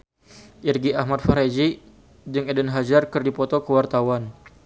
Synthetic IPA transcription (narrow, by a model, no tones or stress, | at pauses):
ʔirɡiahmat̪̚faɾad͡ʒi | d͡ʒɨŋɛdənɦad͡ʒarkərdipɔt̪ɔkəwart̪awan